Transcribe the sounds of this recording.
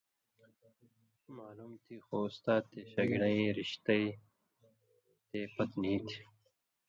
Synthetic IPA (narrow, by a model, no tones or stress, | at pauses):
maːluːmt̪ʰiːxoust̪aːt̪eːɕɐɡnɐ̃ĩɾiɕt̪ɐi | t̪eːpɐt̪nĩːt̪ʰi̥